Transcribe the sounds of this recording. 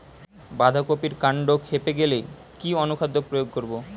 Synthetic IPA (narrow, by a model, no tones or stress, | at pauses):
bad̪ʱakopiɾkaɳɖokʰhepeɡelej | kiɔnukʰad̪ːopɾojoɡ̚koɾbo